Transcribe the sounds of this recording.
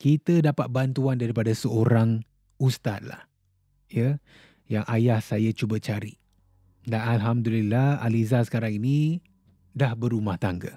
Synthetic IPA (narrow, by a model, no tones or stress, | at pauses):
kit̪ədapat̪̚bant̪uandaɾipadasəoɾaŋ | ust̪at̪̚la̰h | jə | jaŋʔajahsajat͡ʃubət͡ʃaɾi | danalɦamdulilaha̰lizasə̥kaɾaŋinĩ | dahbəɾumaht̪aŋɡə̰